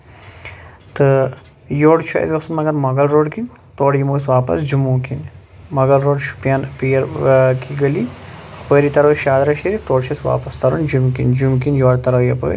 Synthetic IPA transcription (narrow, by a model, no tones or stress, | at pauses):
t̪ɨ | joːɽt͡ʃʰɐ̰ḭt̪kɐsɐnmɐɡɐɾmɐɡɐlɾoːɽkin | t̪oːɽjimoːsʋaːpɐ̰sd͡ʒumuːkin | mɐɡɐlɾoːɖʃu̥pjaːnpiːɾkiɡɐliɐpəːɾit̪ɐɾɐwʃaːd̪ɾɐʃeɾit̪oːɽt͡ʃʰɐsʋa̰ːpɐst̪ɐɾond͡ʒumkḭnd͡ʒumkinjoːɽt̪ɐɾɐwjɐpə̰ː